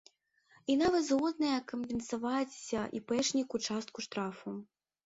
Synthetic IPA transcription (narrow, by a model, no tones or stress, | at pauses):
inavɐt̪zɣɔd̪̚nɐjɐkɐmbʲɛnsavat͡sʲsʲɐʔipɛʂnʲikut͡ʂast̪̚kuʂt̪ɾafu